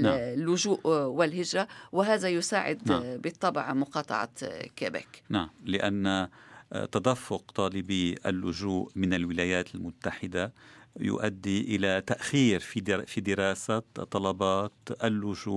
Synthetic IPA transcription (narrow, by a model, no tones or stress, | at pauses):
lːʊʒuːʔwɪlhɪʒɾˤawɪɦaːðajʊsaːʕɪ̰d̪abɪt̪ˤːɑbʕmʊqɑːt̪ˤɑ̰ʕɑ̰kaːba̰knaʕamlɪʔanːat̪ad̪afːʊq̚t̪ˤɑːlɪbiʔa̰lːʊʒuːʔmɪnalwɪlaːjaːt̪almʊt̪ːaħɪd̪ajʊ̰ʔad̪ːiʔɪlat̪aʔxiːɾfifid̪ɪɾɑːsat̪ˤːɑlɑbɑːt̪ʔalːʊʒuːʔʔ